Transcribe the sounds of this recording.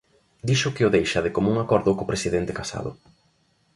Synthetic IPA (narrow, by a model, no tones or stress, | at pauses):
d̪iʃʊkɪʊðejʃaðɪkomuŋakɔɾðʊkopɾesiðɛnt̪ɪkasa̰ðʊ̰